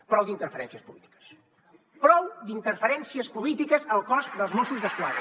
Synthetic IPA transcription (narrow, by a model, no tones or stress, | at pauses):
pɾɔwd̪int̪əɾfəɾɛ̰nsiəspulit̪i̥kə̥s | pɾɔwd̪int̪əɾfəɾɛnsiəspulit̪ikəzəlˠkɔsd̪əlˠzmusuzðəskwaðɾə